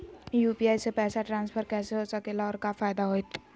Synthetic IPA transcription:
jupiaːjsepɛːsaʈɾãːnspʰəɾkɛːseɦosəkelaɔːɾkafʰaːjd̪aɦojt̪

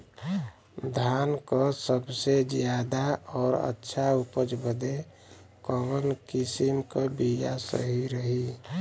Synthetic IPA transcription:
d̪ʱankəsəbsed͡ʒjad̪aɔːɾə̰tːʃʰaupəd͡ʒbʱəd̪e | kɔbəlkisimkəbijasə̰ɦiɾəɦi

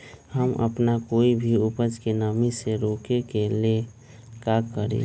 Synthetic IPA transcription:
həmə̰pnakoːibʱiʊpəd͡ʒkenəmiseɾoːkekele | kakːəɾḛ

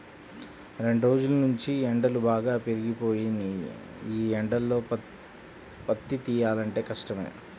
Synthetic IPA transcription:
ɾe̞ɳɖuɾo̞ːd͡ʒulɐnuɲt͡ʃiɛɳɖɐlubaːɡaːpeɾiɡipo̞ːjin | iːɛɳɖɐlːo̞ː | pɐt̪ːit̪iːjaːlɐɳʈe̞ːkɐʂʈɐmḛː

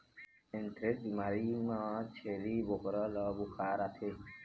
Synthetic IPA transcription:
ẽnt̪ɾek̚b̪imaɾimãt͡ʃʰelibokɾəlɔbukʰaːɾat̪ʰe

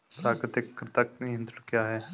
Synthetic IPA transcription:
pɾaːkɾɪt̪ɪkːɾɪt̪akɪ̃nt̪kjaːɦɛː

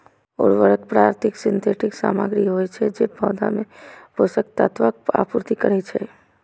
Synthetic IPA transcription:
ɔ̰ːɾʋəɾəkpɾaːɾt̪ʰɪksɪnt̪ʰeʈɪksa̰ːmaɡɾiɦojt͡ʃʰɛd͡ʒepɔːd̪a̰mẽposək̚t̪at̪ʋak̚a̰puɾt̪ikəɾɛt͡ʃʰɛ

